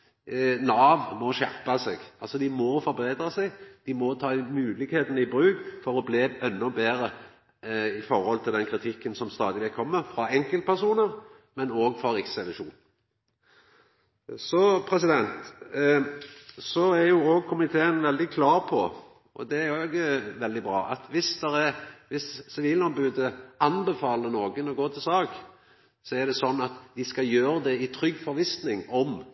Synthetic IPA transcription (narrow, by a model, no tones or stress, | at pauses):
nɑːʋmɔʃæʁpɑsɛɡɑlsɔd̪ɪmɔfɔɾbʁeːd̪ɾʁəsɛɡd̪̥ɪmɔt̪ʰɑːɪmʉːlɪɡheːt̪nəɪbɾʉːɡfɔɾɔbleːɛnːʊbeːɾə | ɪfɔɾhɔlt̪ʰɪld̪ɛnkʰɾɪt̪ʰɪkːənsɔmst̪ɑːd̪ɪlɪkʰɔmːəfɾɑɛŋkəlt̪̚pʰæʁsuːnəɾ | mɛnoːɡfɾɑɾɪksɛlʉʃuːn | sɔpʰɾɛsɪd̪ɛnt̪ | sɔæɾjʊoːɡ̚kʰʊmɪt̪ʰeːənʋɛld̪ɪkʰlɑːɾpʰɔ | ʔɔ̰d̪ɛæɾoːɡʋɛld̪ɪbɾɑ̰ːʔɑt̪ʋɪsd̪̥ɛɾɛʋɪssɔʋɪlnɔːnbʉːd̪əɑnbɛfɑːlənoːɡənɔɡoːt̪ʰɪlsɑːɡ | sɔɛd̪ɛsɔnːɑt̪d̪ɪskɑjøːɾəd̪ɛɪt̪ʰɾʏɡːfɔɾʋɪsnɪŋɔm